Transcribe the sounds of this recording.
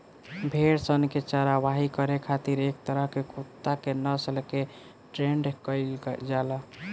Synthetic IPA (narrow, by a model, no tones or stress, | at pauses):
bʱeɽsənket͡ʃaɾaβaɦikəɾekʰat̪iɾek̚t̪əɾəɦkekut̪ːakenəsəlke | ʈɾeɳɖkəɪld͡ʒalə